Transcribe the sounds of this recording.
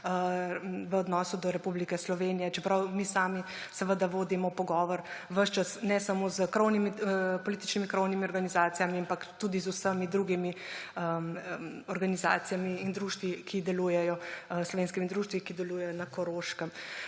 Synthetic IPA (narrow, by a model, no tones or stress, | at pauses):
ʋəɔd̪nɔːsud̪ɔɾɛpublikɛslɔʋeːnijɛt͡ʃɛpɾawmisaːmi | səʋəd̪aʋoːd̪imɔpɔɡɔːʋɔɾʋəʃt͡ʃasnɛsamozkɾownimipɔliːt̪i̥t͡ʃnimikɾownimiɔɾɡanizaːt̪sijamiampakt̪uːd̪izusəmid̪ɾuɡimiə | ɔɾɡaniza̰ːt̪ijamiːnd̪ɾuːʃt̪ʋikʰid̪ɛluːjɛjɔslɔʋeːnskimid̪ɾuːʃt̪ʋikid̪ɛluːjɛjɔnakɔɾoːʃkəm